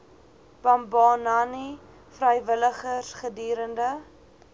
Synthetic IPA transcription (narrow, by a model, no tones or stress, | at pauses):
b̥ɐmbɑːnɐni | frəjvələχəsχədiːɾəndə